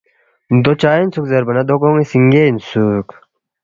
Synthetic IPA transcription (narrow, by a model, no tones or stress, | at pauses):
d̪ot͡ɕaːinsukzɐɾbɐnɐd̪okoŋisiŋɡeinsuk